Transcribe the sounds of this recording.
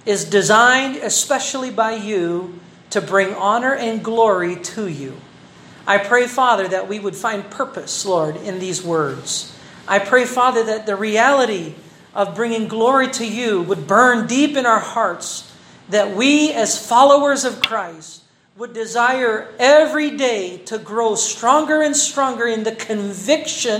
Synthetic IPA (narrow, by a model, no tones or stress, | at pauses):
ɪzdɨzãɪ̃ndɨspɛʃl̩ˠibaɪjʉ | ɾɨbɹɪ̃ŋɑnə˞ʔɨ̃nɡlɔɹiɾɨjʉ̰ | ʔaɪpʰɹ̥eɪfɑðə˞ðɨʔ̚wiwəd̥fãɪ̃nd̚pʰɜ˞pɨslɔɹɾɪ̃nðizwɜ˞dz̥ | ʔaɪpʰɹ̥eɪfɑðə˞ðɨt̪̚ðɨɹiælˠəɾi | ʔʌvbɹɪ̃ŋɪ̃ŋɡlɔɹiɾɨjɨwəd̚bɜ̃˞ndipɨ̃ñaʊə˞hɑɹts | ðɨt̚wiɨz̥fɑlˠoʊə˞zʌv̥kʰɹ̥aɪst | wədɨzaɪə˞ɛvɹideɪɾɨɡɹoʊstɹ̥ɔ̃ŋɡə˞ɨ̃nstɹ̥ɔ̃ŋɡə˞ɨ̃nðɨkʰɨ̃ɱvɪkʃɨ̃